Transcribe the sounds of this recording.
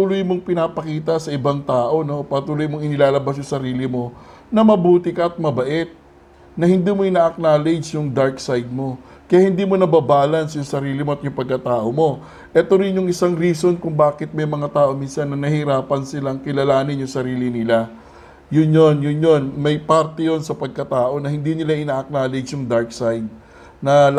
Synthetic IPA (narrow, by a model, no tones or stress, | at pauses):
t̪ulʊjmo̞ŋpɪnapɐkiːt̪ɐsɐɪbaŋt̪aːʔo̞no̞pɐɾɐt̪uːlojmoŋɪnɪlaːlɐbas̬jʊŋsɐɾiːlɪmo̞ | nɐmɐbuːt̪ɪkɐʔɐt̪̚mɐbɐʔɛt̪̚ | nɐhɪnd̪iːmo̞ɪnaːʔɐk̚naːled͡ʒjʊŋd̪aɹksajd̪̚mo̞ | kɐjaːhɪnd̪iːmo̞nɐbabaːlɐnsjʊŋsɐɾiːlɪmo̞ɐt̪̚jʊŋpɐɡ̚kːɐt̪aːʔo̞mo̞ | ʔɛt̪o̞ɾɪnjʊŋʔɪsaŋɾiːso̞nkʊŋbaːkɪt̪̚mɐjmɐŋat̪aːʔo̞minsɐnːɐnɐhɪɾaːpɐnsɪlaɐŋkɪlɐlaːnɪnjʊŋsɐɾiːlɪnɪla | jʊnjo̞njʊnjo̞nmɐjpaɾt̪ɛjo̞nsɐpɐɡ̚kɐt̪aːʔo̞nɐhɪnd̪inɪlaʔɪnaːʔɐk̚naːled͡ʒjʊŋd̪aɹk̚sajd̪̚ | nɐ